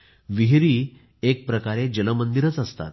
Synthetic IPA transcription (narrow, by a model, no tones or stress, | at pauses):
ʋiɦɾiː | ek̚pɾəkaɾed͡ʑələmənd̪iɾət͡səst̪a̰t̪